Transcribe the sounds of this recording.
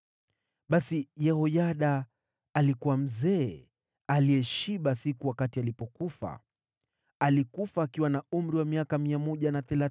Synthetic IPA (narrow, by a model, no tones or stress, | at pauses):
ɓasijɛhɔjaɗaː | likuwam̩zɛː | aliɛʃiɓasikuwakatialipɔkufa̰ | alikufaːkiwanaum̩ɾiwamiakamiamɔʄanaθɛla